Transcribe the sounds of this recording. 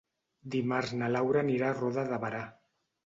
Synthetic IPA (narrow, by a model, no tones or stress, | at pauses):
d̪imaɾznalawɾaniɾaroðaðaβaɾa